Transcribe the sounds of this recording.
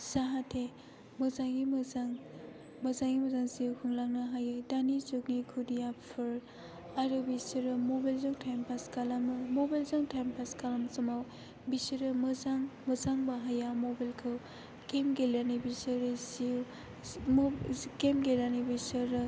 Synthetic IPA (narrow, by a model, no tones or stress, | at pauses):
saɦatʰe | mɯzaŋɡimaŋ | mɐzaŋɡimɐzaŋsiwkʰuŋlaŋnaɦajɯdanizoknikʰudijappʰɯɾ | aɾɯbisɯɾɯmobajlzaŋtʰajmpʰaskalamɯmobajlzaŋtʰajmpʰaskalamsɐmaw | bisɯɾɯmɐzaŋmɐzaŋbaɦajamobalkʰɯw | kemɡelanibisɯɾɯsiw | kemɡelanibisɯɾɯ